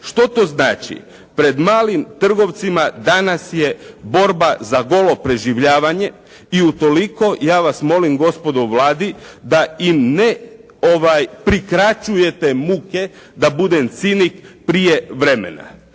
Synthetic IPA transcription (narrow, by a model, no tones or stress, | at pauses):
ʃt̪o̞t̪o̞znaːt͡ʃḭ | pɾe̞d̪maːlimt̪r̩ɡo̞ʋt̪simad̪anasje̞bo̞ɾbazaɡo̞lo̞pɾe̞ʒiʋʎaːʋaɲe̞ | iut̪o̞liko̞jaːʋasmo̞limɡo̞spo̞d̪oʋlaːd̪id̪aimne | oʋajpɾikɾat͡ʃuje̞t̪e̞muke̞ | d̪abud̪emt̪sinikpɾije̞ʋɾe̞mḛna̰